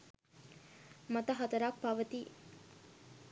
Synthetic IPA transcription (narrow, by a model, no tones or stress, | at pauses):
mɐt̪ɐɦɐt̪ɐɾak̚paʋət̪i